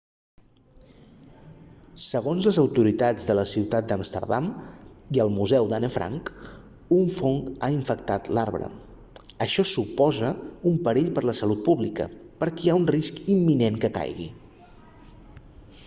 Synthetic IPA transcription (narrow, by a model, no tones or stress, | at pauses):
səɣonzləzəwt̪uɾit̪ad͡zðələsiwt̪at̪̚d̪amst̪ə̰ɾða̰miəlˠmuzɛwd̪anəfɾʔa̰ŋk | uɱfoŋkaiɱfək̚t̪at̪laɾβɾə̰ | əʃɔsupɔzəumpəɾeʎpəɾləsəlut̪̚puβlikə̰ | pəɾkiaunriskimːineŋkəka̰jɣḭ